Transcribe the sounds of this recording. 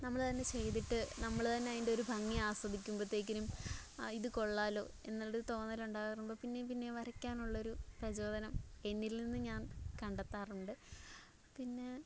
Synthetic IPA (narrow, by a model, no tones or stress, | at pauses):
nɐmːɐɭt̪ɐnːe̞t͡ɕe̞jt̪̬iʈːɨnɐmːɐɭt̪ɐnːeaːjinde̞o̞ɾubʱɐŋːiaːswɐd̪ikʲːumprut̪ːeːk̬ʲːɐlumiðɨko̞ɭːaːlo̞̰ː | e̞̰nːɐlːiðɨt̪o̞ːnːɐluɳɖaːɣɐrnumboːpinːep̬inːe̞ʋɐɾɐkʲːaːnuɭːɐo̞ɾuprɐt͡ɕo̞ːd̪ɐnɐme̞nːilninːɨɲaːnkɐɳɖɐt̪ːaːruɳɖɨ | pinːe̞